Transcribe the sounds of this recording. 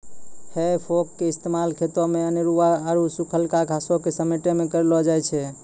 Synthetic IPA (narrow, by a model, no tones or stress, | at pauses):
hepʰokːeist̪emalkʰet̪ɔmeəneɾuaəɾusukʰəlkaɡʱasokesəmeʈemekəɾelɔd͡ʒajt͡ʃʰɛ